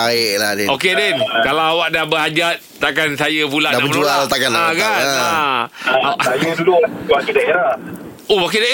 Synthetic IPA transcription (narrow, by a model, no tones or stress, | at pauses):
aɪʔladɛokedɛnkalawawaʔ̚dahbəɦad͡ʒat̪̚t̪akansajəpulaʔdaamənualt̪akanaɡana | ajəduluwakidaeɾah | owak̬idaʔe